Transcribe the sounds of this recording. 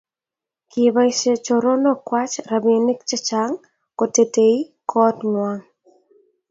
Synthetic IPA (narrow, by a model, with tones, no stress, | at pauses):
kɪ˨ba˦i˦ʃe˨t͡ʃɔ˨ɾɔ˦nɔ˦kwa˦t͡ʃɾa˨bi˨nɪ˦k̚t͡ʃɛ˦t͡ʃa˨ŋ | ko˨te˨te˨i˦kʰɔ˦tŋwa˦ŋ